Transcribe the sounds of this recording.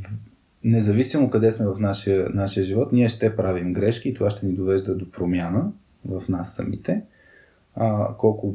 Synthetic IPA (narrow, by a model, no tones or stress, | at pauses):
nɛzɐvisimokɐd̪ɛsmɛvɐfnaʃiənaʃijəʒivɔt̪niɛʃt̪ɛpɾavimɡɾɛʃk̟iːt̪ovaʃt̪ɛnid̪ovɛʒd̪əd̪opɾomjanə | vəfnasːɐ̰mḭt̪ɛ | kɔlˠkʊ